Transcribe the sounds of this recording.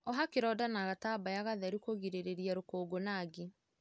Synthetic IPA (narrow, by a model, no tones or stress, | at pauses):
ɔɦakeɾɔdanaɣatabajaɣaðɛɾukoɣiɾeɾeɾiaɾokoːɡonaːɡe